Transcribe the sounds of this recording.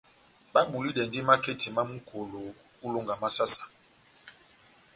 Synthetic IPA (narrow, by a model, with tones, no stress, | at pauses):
ɓa˦ɓu˨li˦ɗɛ˨ndi˦ma˦ke˦tʰi˨ma˦mu˦kʰo˨lo˨ | u˦lo˦ŋɡa˨ma˦sa˦sḁ˨